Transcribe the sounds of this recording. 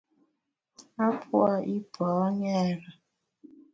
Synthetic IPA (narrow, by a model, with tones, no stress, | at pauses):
a˦pʰu˦a˨ʔi˦b̥ʱɔ˨˦ɲɛː˦˨ɾa˨